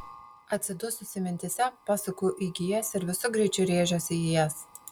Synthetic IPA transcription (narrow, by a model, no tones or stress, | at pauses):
ɐt̪ʲsʲɪd̪ʊsʊsʲɪmʲɪnʲt̪ʲɪsʲɛpɑːsɐkuːʔiɡʲɪjɛsɪɾʋʲɪsʊɡɾʲɛɪt͡ʃʲʊɾʲeːʒʲoːsʲɪjɪjɛs